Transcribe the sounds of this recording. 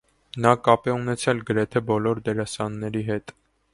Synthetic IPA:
nɑkɑpɛunɛt͡sʰɛlɡəɾɛt̪ʰɛbɔlɔɾd̪ɛɾɑsɑnːɛɾiɦɛt̪

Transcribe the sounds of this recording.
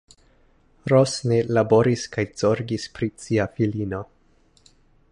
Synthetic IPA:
ɾosnelabo̞ɾiskajz̥oɾɡispɾit͡siafilino̞

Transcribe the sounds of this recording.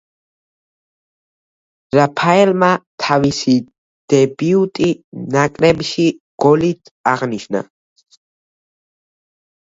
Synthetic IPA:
ɾapʰaɛlmat̪ʰavisi | d̪̥ɛbiut̪ʼinakʼɾɛbʃiɡ̥ɔlit̪ʰaʁniʃna̰

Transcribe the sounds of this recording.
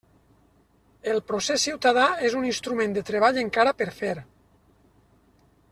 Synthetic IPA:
elˠpɾosesːiwt̪aðaezuninst̪ɾumẽnd̪et̪ɾeβ̞aʎeŋkaɾapeɾfeɾ

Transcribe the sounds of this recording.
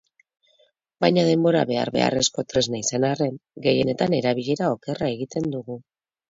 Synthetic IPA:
bajɲaðe̞mbo̞ɾa̰βe̞a̰ɾβe̞̰a̰re̞sko̞t̪ɾe̞znaisanare̞nɡe̞je̞ne̞t̪ane̞ɾaβ̞iʎe̞ɾao̞ke̞rae̞ɣit̪e̞nd̪uɣu

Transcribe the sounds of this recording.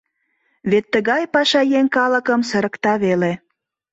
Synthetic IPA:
βet̪ːəɣɑjpɑʃɑjeŋkɑlə̆kə̆msə̆ɾə̆kt̪ɑβele

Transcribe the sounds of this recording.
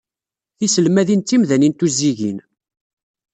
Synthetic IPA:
θisəlmæðint̪ːimðænint̪uzːiʝḭn

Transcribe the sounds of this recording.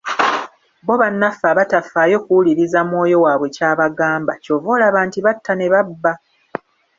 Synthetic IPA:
bo̞βanːafaβatafaːjo̞kuwuliɾizamwo̞ːjo̞waːβwe̞caːβaɡaːmba̰co̞ːvoːlaβaːntiβatʰːane̞βabːa

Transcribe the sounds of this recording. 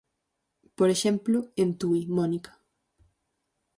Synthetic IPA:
poɾeʃemplʊent̪uimɔnikḁ

